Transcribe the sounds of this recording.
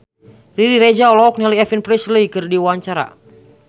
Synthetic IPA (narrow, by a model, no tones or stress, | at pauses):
riɾiɾɛd͡ʒaɔlɔɔk̚niliɛfinpɾisləikɨrdiwaɲt͡ʃaɾa̰